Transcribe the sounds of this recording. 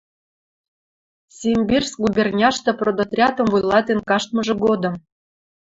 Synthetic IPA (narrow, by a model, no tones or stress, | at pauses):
sʲimʲbʲirs̚ɡubʲernʲɑʃt̪ɤ̆prod̪ŏt̪rʲɑt̪ə̆mvujlˠɑt̪enkɑʃt̪̚mə̆ʒĕɡod̪ə̆m